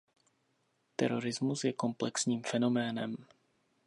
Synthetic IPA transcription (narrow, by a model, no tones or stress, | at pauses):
t̪ɛ̰ɾo̞ɾɪzmusjɛko̞mplɛksɲiːmfɛno̞mɛːnɛ̰m